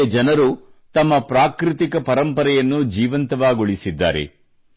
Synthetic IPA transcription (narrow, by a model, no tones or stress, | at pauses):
ɐd͡ʒɐnɐɾut̪ɐmːɐpɾaːkɾit̪ikɐpɐɾɐmpɐɾɛjɐnːud͡ʒiːʋɐnt̪ɐʋaːɡoɭisid̪ːa̰ːɾḛ